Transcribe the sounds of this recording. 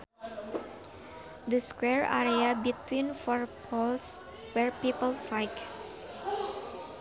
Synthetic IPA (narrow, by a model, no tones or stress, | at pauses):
d̪əskwɛɹa̰ɾiabit̪wĩnfɔɹpʰɔls | wɛɹpipəlfajk